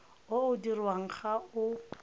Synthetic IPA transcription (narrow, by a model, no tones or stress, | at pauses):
ʊʊdirwaŋ̩χaʊ